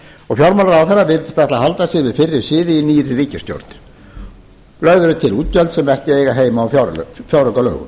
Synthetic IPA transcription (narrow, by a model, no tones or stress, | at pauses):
ɔɣfjawɾmalaɾawθɛrːavɪɾθɪst̪ɛht̪lahalt̪asjɛɾvɪðfɪrːɪɾ̥sɪːðɪiniːɾɪriːcɪst̪jo̰wɾ̥t̪nɪ̥ | lœɣðʏɾʏt̪ʰɪluːt̪̚jœlt̪sɛmɛhcɪejɣaɦeːjmaːwfjawɾ̰fjawɾœkalœ̰ːɣʏ̰m